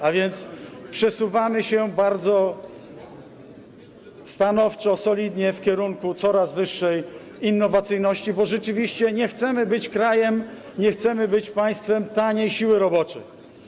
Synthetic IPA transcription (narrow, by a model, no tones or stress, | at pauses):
avʲjɛnt̪spʂɛsuvamɘɕɛbaɾd̪zɔ | st̪anɔft͡ʂɔsɔlʲid̪ɲɛfkʲɛɾuŋkut̪sɔɾazvɘʂːɛj | inːɔvat̪sɘjnɔɕt͡ɕibɔʐɛt͡ʂɘvʲiɕt͡ɕɛɲɛxt̪sɛmɘbɘt͡ɕkɾajɛm | ɲɛxt̪sɛmɘbɘt͡ɕpaj̃st̪fɛmt̪aɲejɕiwɘɾɔbɔt͡ʂɛj